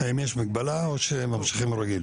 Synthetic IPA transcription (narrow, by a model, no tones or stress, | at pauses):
aimjeʃmiɡ̚balaoʃemamʃiχimɾaɡil